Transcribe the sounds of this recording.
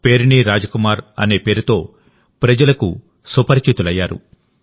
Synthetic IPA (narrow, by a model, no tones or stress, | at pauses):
pe̞ːɾiniɾaːd͡ʒɐkumaːɾɐ̰ne̞ːpe̞ːɾut̪o̞ː | pɾɐd͡ʒɐlɐkṵ | supɐɾt͡ʃit̪ulɐjːaːɾṵ